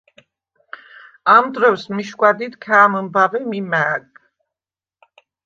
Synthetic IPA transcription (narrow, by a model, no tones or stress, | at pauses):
amd̪ɾɔvsmiʃkʷʼwad̪it̪kʰaːməmbavɛmimæːɡ